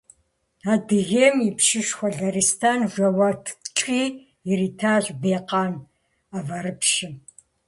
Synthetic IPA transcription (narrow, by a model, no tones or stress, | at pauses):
aːdɨɣeːmipʃɪʃxʷɔɮɐristʰaːnʒʷɐwɐtʰʈ͡ʂʼiː | ɪɾiːtʰaːʑʷbeːqɑːn | avɐɾɨpʃɪ